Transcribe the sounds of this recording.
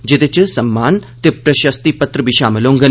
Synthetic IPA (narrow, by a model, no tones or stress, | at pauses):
d͡ʒet̪et͡ʃəsɐmːaːnt̪epɾɐʃɐst̪ipɐt̪ɾəbʱiʃaːməlõːŋɡən